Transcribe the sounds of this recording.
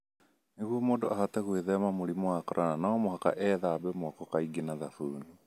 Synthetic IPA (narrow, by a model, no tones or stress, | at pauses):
neɣwɔmoːndoahatɛɣweðɛmamoɾimoakɔɾʔananaːmohaka̰ʔɛðaβɛmoakɔkaiɡinaðaθuːnu